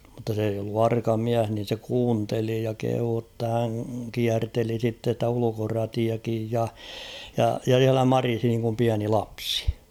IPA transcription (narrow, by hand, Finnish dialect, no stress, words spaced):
mŭtːɑ s eij olːu ɑrkɑ miæh nin̞ se kuːnteli jɑ kehuː tːɑ hæŋ kiærteli sitːe stæ ulukorɑtiɑkij jɑ jɑ jɑ s̞iælæ mɑrisi niːŋkum piæni lɑpsi̥